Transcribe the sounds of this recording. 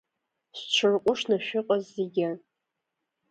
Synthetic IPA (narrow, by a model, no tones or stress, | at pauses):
ɕʷt͡ʃʷʰɨrqʷʼʊʂnaʃᶣʊqʼazːeɡʲɪ